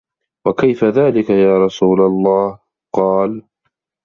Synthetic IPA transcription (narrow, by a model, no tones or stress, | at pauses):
wakajfaðaːlɪkajaːɾˤɑsuːlalˤːɑːh | qɑːl